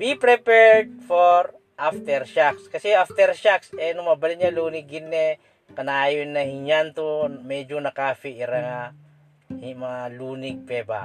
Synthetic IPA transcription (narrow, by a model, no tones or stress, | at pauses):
wipɾɛpɛɹd̪̚foɾ | ʔaft̪ɛɾʃakskɐsɛaft̪ɛɾʃaksɛnʊmɐbɐlɪɲaluːnɪɡɪnːɛ | kɐnaːjonːɐhɪɲant̪omɛd͡ʒonɐkaːfɪʔɪɾɐŋa | hmɐŋaluːnɪɡ̚pɛːba̰